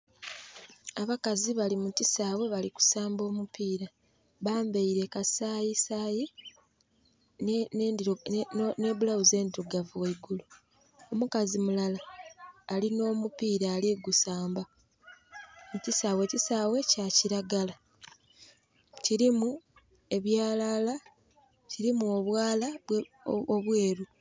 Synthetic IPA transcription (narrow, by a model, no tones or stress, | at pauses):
aβakaziβalimutisaːwe̞βaliku̥saːmbo̞ːmupiːɾa | βaːmbeiɾe̞kasaːjisaːji | ne̞ːβulawuze̞ːndiɾuɡavuweɡulu | omukazimulalaː | lino̞ːmupiːɾaːliɡusaːmba | cisaːwe̞cisaːwe̞caciɾaɡala | ciɾimu | e̞βjaːlala | ciɾimuoβwaːlaβ | oβwe̞ːɾu